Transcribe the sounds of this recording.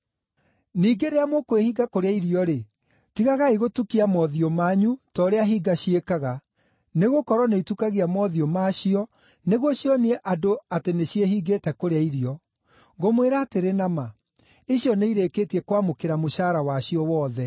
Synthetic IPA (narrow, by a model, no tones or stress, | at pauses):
niːɡeɾeamokoehiːɡakoɾeaiɾiɔɾe | tiɣaɣaiɣotukiamɔðiɔmaːɲutɔɾeaɦiːɡaɕiekaɣa | neɣokɔɾɔneitukaɣiamɔðiɔmaɕiɔ | neɣɔɕjɔniɛʔadoateneɕieɦiɡeːtɛkoɾeaiɾiɔ | ŋɡomweɾaːteɾenama | iɕiɔneiɾekeːtiɛkwamokeɾamoʃaːɾawaɕiɔwɔːðɛ